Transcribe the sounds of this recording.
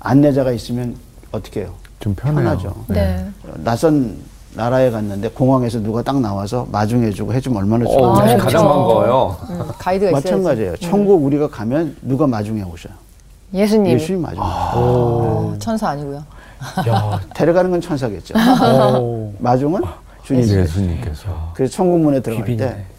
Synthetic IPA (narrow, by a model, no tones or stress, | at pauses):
a̰nːe̞d͡ʑaɣais͈ɯmjʌn | ʌt͈ʌ̥kʰe̞jo | t͡ɕompʰjpnjʌnad͡ʑo̰nḛnasʰʌnː | aɾaekanːɯnde̞koŋɦaŋe̞s̬ʰʌnuɡat͈aŋnawasʰʌmad͡ʑuŋɦe̞d͡ʑuɡoɦe̞d͡ʑumʌɭmanaokad͡ʑaanɡʌjokaidɯɡamatt͡ɕanɡad͡ʑiejot͡ɕʰʌŋɡuuɾiɡakamjʌnːuɡamad͡ʑuŋeboɕʰʌjo | jesʰɲijesʰuɲimːa̰d͡ʑuŋe | t͡ɕʰʌnsʰaaɲiɡojo | ate̞ɾʌɡanɯnɡʌnt͡ɕʰʌnsʰaɡe̞t̚t͡ɕ͈o̰ | mad͡ʑuŋɯn | t͡ɕuɲisʰuɲik͈esʰkɯɾesʰʌt͡ɕʰʌŋɡumunetɯɾʌɡat͈e̞